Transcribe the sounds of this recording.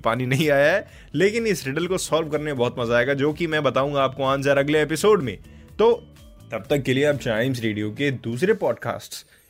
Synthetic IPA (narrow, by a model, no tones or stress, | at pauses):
paːninɐɦĩaːjaɦɛ | leːkɪnɪsɾɪɖəlkosɔːlʋkɐɾnemebɐɦʊt̪mɐzaːeːɡad͡ʒoːkimɛ̃bɐt̪aːũːŋɡaːp̚koãːnzaːɾɐɡleeːpɪsoːɖmḛ̃ː | t̪oː | t̪ɐb̚t̪ɐkːelieɐp̚t͡ʃaːɪmzɾeːɖijoked̪uːs̬ɾepɔːɖka̰ːsʈs